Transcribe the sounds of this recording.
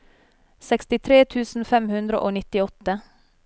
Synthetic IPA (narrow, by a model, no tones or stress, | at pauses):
sɛkst̪ɪt̪ʰɾeːt̪ʰʉːsn̩fɛmhʉnd̪ɾəʔoːnɪt̪ɪɔt̪ə